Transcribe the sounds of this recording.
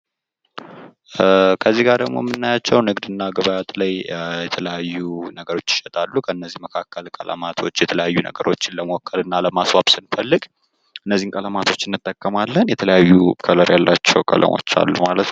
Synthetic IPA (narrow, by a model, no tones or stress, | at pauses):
kʰəzːiɡaɾd̪əɡmo̞̰mːɨnːajat͡ʃːɛwnɨɡd̪ɨnːaɡəβajat̪ʼlajjɛt̪ʰələjajːunəɡəɾo̞t͡ʃːɪ̥ʃɛt̪ʼalːukʰəɨnːəzːihməkʰakːəlkʼələ̰mat̪ʰo̞t͡ʃːjɛt̪ʰələjajːunə̰ɡəɾʔo̞t͡ʃːɪnləməwɔkʰːəlɨnːaləmaswaβsɨnfəlːɨɡʼ | ʔɨnːəzːihnkʼələmat̪ʰo̞t͡ʃːɪnːɨt̪ʼːəkʼːəmalːənjɛt̪ʰələjajːukʰələɾjalːat͡ʃːɛwkʼə̰lə̰mo̞̰t͡ʃːa̰lːumalət̪n